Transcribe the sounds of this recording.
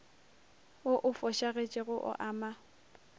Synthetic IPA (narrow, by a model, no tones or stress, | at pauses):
ʊʔʊfɔʃaɣet͡ʃʼɪɣʊʔʊ̰ʔaːma